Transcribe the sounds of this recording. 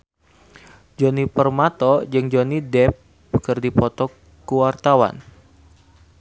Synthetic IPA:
d͡ʒɔnipərmat̪ɔd͡ʒɨŋd͡ʒonidɛp̚ | kɨrdipɔt̪ɔ | kuwart̪awa̰n

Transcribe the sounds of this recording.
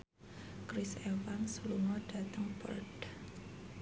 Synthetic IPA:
kɾisewaŋsəluŋɔɖ̥a̤t̪əŋpə̰rd̥

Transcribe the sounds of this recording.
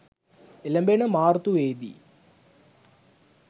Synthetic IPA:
elɐmbenɐmaːrt̪uʋeːd̪ḭ

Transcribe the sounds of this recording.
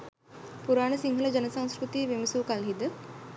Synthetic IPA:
puɾaːɳəsiŋɡʱələd͡ʒənəsãŋskɾut̪iʋemisuʋkalɦid̪ə

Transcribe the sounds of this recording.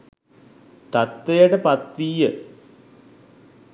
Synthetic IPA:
t̪ɐt̪ːejɐɽepɐt̪ːiːjɨ

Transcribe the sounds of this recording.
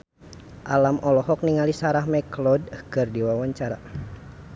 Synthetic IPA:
ʔalamʔɔlɔɦɔk̚niŋalisaɾahmɛklɔdkɨrdiwawaɲt͡ʃaɾa̰

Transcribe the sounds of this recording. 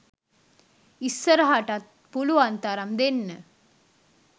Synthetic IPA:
isːəɾɐɦaʈɐt̪̚ | puluʋant̪aɾɐmd̪enːə

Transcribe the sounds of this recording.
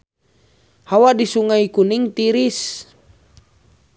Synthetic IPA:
hawadisuŋaikuniŋt̪iɾis

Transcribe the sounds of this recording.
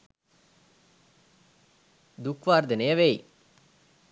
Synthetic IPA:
d̪ukʋaːɾd̪ɐnejɐʋej

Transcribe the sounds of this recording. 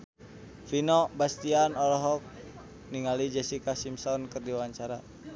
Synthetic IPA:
finɔbast̪ianɔlɔɦɔk̚ | niŋalid͡ʒɛsikasimsɔnkərdiwaɲt͡ʃaɾa

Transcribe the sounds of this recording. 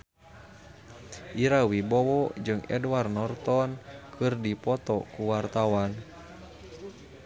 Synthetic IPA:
ʔiɾawibɔwɔd͡ʒɨŋɛ̰dwarnɔrt̪ɔnkʰɨrdipɔt̪ɔkuwart̪awan

